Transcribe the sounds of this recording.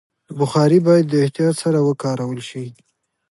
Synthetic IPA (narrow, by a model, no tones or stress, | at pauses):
əbʊxɑɾibɑjad̪ːəɪht̪ijɑt̪saɾawəkɑɾawəlʃi